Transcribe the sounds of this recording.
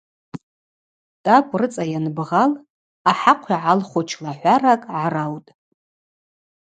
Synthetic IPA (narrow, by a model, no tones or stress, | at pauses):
tʼakʷʼrɨt͡sʼajanbʁal | aħaqʷʰjiʕalχʷot͡ʃʰlaħʷarakʼʕarawtʼ